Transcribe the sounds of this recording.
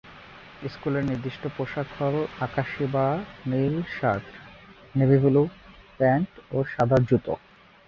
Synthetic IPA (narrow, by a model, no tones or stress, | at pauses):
eskuleɾniɾd̪iʃʈopɾoʃakʰːɔlakaʃibanilʃat̪ | nebiɡulupɛɳʈoʃad̪ʱad͡ʑut̪o̰